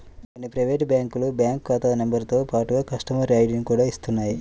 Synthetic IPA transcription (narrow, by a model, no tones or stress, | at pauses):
konːipɾɐjʋeːʈbjaːŋkulubjaːŋkːaːt̪aːnembɐɾt̪o̞ːpaːʈuɡɐkɐʂʈɐmɐɾaːjɖinkuːɽaːist̪unːaːji